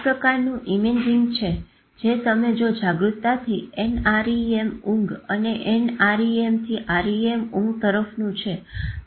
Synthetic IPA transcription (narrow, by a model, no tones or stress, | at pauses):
pɾəkaɾnũʔimed͡ʒiŋɡt͡ʃʰe | d͡ʒet̪əmed͡ʒod͡ʒaɡɾut̪ːat̪ʰienaɾiemũŋɡəneʔenaɾiemt̪ʰiʔaɾiemũŋɡt̪əɾəfnũt͡ʃʰe